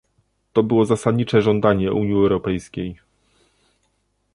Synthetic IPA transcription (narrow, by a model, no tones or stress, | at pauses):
t̪ɔbɘwɔzasad̪ɲit͡ʂɛʐɔnd̪aɲɛʔuɲjiɛwɾɔpɛjskʲej